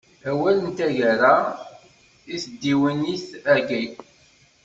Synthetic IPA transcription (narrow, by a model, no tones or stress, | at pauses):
æwælənt̪æʝæɾa | iθd̪ːiwənːiθæɡij